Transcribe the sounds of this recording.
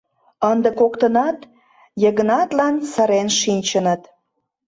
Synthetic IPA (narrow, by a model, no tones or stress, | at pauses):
ənd̪ə̆kokt̪ənɑt̪ | jəɣə̆nɑt̪lɑnsəɾenʃinʲt͡ɕənət̪